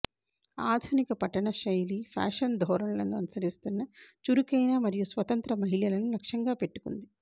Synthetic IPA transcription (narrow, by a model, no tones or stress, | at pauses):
aːd̪ʱunikɐpɐʈːɐɳɐʃɐjliːpʰa̰ːʂɐnd̪ʱɔːɾɐmlɐnuɐnɐsɐɾist̪unːɐt͡ʃuɾukɐjnaːmɐɾijusʋɐt̪ɐnt̪ɾɐmɐɦiɭjɐlɐnulɐkʂjɐŋɡaːpeʈːu̥kund̪i